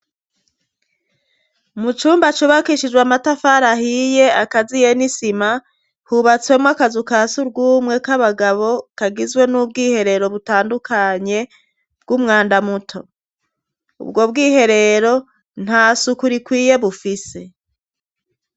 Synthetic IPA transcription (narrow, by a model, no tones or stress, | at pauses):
mut͡ʃuːmbat͡ʃuβakiʃid͡ʒɡwamatafaɾahije̞akazije̞nisima | huβat͡swe̞mwakazukasuɾɡuːmŋe̞kaβaɡaβo̞kaɡizɡwe̞nub̚ɡiːhe̞ɾe̞ɾo̞βutaːndukʰaɲe̞ | b̥̚ɡumŋaːndamutʰo̞ | ṵbɡo̞b̚ɡiːhe̞ɾe̞ɾo̞ | n̥hasukuɾikwiːje̞βufise̞